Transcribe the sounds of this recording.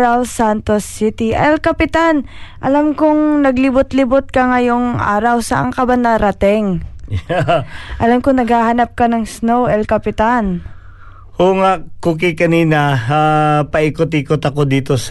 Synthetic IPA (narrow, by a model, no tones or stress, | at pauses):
ɾawsant̪osːɪt̪ɪʔɛlkɐpɪt̪anʔɐlamkʊŋnɐɡlɪbʊt̪lɪbʊt̪̚kɐŋɐjoŋʔa̰ːɾɐwsɐʔa̰ŋkɐbanɐɾɐt̪ɛŋ | ʔɐlamkonɐɡhaːhɐnap̚kɐnɐŋsnowɛlkɐpɪt̪an | hoŋakuːkɪkɐniːnɐapɐʔikot̪ikot̪ɐkod̪iːt̪os